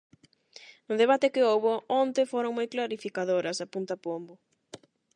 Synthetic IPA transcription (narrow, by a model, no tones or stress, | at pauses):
nʊðeβ̞at̪ɪkɪowβoont̪efoɾoŋmojklaɾifikaðoɾɐsapunt̪apombʊ